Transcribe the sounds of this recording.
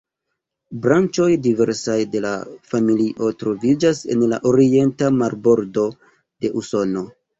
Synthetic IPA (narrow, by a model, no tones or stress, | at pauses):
bɾant͡ʃo̞jdive̞ɾsajde̞la̰familiʔo̞tɾo̞vid͡ʒase̞̰nla̰ʔoɾie̞ntamaɾbo̞ɾdo̞ | d̥e̞ʔuso̞no̞